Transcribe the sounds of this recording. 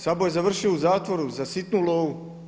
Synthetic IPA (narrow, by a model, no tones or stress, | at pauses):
sabojezaʋr̩ʃiouzaːt̪ʋo̞ɾuzasit̪nulˠoːu